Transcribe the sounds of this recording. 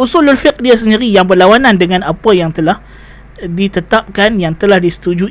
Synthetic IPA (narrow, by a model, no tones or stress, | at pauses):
ʔusulalfɪk̚diasəndiɾijaŋbərlawanandəŋanapəjaŋt̪əlah | dit̪ət̪ap̚kanjaŋt̪əlahdisə̥t̪ud͡ʒu